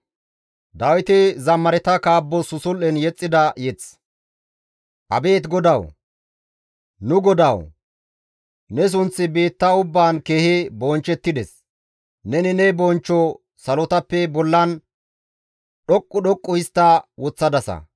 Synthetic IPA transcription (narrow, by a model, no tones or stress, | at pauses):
d̪ɐwɪt̪ɪzɐmːɐɾɛt̪ɐkaːbːɔsʊsʊlːɛnjɛt͡sʼːɪd̪ɐjɛt͡s | ʔɐbe̞ːt̪ɡɔd̪ɐw | nʊɡɔd̪ɐw | nɛs̬ʊnt͡sːɪbe̞ːt̪ːɐʊbːaːnke̞ːhɪbɔnt͡ʃːɛt̪ːɪd̪ɛs | nɛnɪnɛbɔnt͡ʃːɔ | sɐlɔt̪ɐpːɛbɔlːɐn | ɗɔkʼːʊɗɔkʼːʊɪst̪ːɐwɔt͡sːɐd̪ɐsɐ̰